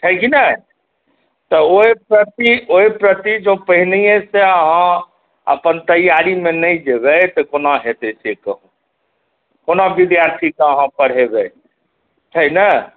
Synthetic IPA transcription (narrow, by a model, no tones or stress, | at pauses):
ʈʰəkinə | t̪ɔoepɾət̪ioipɾət̪id͡ʒopəɦiliẽseəɦã | ə̰pənt̪əjaɾimẽnəĩd͡ʒebɛt̪ɔkonaɦet̪esekəɦũ | konabid̪jaɾt̪ʰikaəɦãpəɾ̤ebɛ | ʈʰəinə